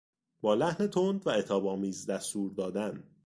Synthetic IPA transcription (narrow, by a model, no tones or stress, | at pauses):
bɒːlæhne̞t̪ʰond̪væe̞t̪ʰɒːbɒːmiːzd̪æst̪uːɾd̪ɒːd̪æn